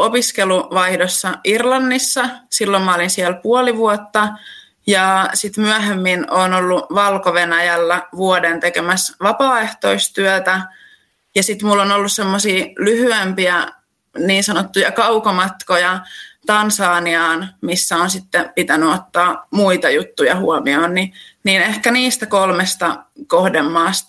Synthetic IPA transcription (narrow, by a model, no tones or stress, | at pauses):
opiskeluʋɑihdosːɑirlɑnːisːɑsilːommɑolinsiælpuoliʋuot̪ːɑ | jɑsit̪myæɦemːinoːnolːuʋɑlkoʋenæjælːæʋuodent̪ekemæsʋɑpɑːeht̪oist̪yæt̪æ | jɑsit̪mulːonolːussemːosiːlyhyempiæ | niːnsɑnot̪ːujɑkɑukomɑt̪kojɑt̪ɑnsɑːniɑːnmisːæonsit̪ːepit̪ænyot̪ːɑːmuit̪ɑjut̪ːujɑhuɔmioːnniniːnehkæniːst̪ækolmest̪ɑkohdemːɑːs